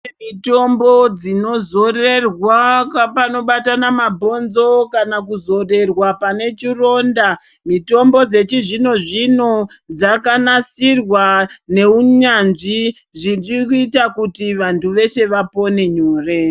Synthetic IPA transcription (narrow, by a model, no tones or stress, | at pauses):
emito̞mbo̞d͡zino̞zo̞re̞rwapano̞ɓatanamabʱo̞nzo̞kanakuzo̞re̞rwapane̞t͡ʃiro̞ːnda | mito̞mbo̞d͡ze̞t͡ʃiʐino̞ʐino̞d͡zakanasirwane̞uɲanʐi | ʐinrikuitakutiʋantʰuʋe̞se̞ʋapo̞ne̞ɲuːre